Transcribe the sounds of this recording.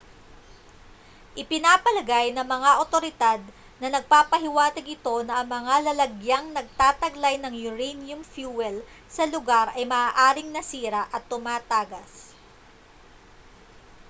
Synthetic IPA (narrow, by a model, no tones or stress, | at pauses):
ʔɪpɪnaːpɐlɐɡajnɐŋmɐŋaʔot̪o̞ɾɪd̪ad̪̚ | nɐnɐɡ̚paːpɐɦɪwaːt̪ɪɡʔɪt̪o̞nɐɐŋmɐŋalɐlɐɡjaŋnɐɡ̚t̪aːt̪ɐɡlajnɐŋjʊɾɛnjʊmfjuwɛl | sɐlʊɡaɾʔɐjmɐaːʔaːɾɪŋnɐsiːɾɐʔɐt̪ːʊmaːt̪aːɡɐs